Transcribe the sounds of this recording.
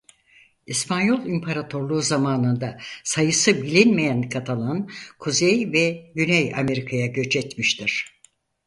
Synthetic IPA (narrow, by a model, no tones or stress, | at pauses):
ispʰanjo̞lˠimpʰaɾat̪ʰo̞ɾlˠuːzamaːnɯnd̪asajɯsɯbilʲinmejænkʰat̪ʰalˠankʰuzejvɛɟynɛja̰me̞ɾikʰajaɟø̞t͡ʃʰɛt̪miʃt̪ʰiɾ̥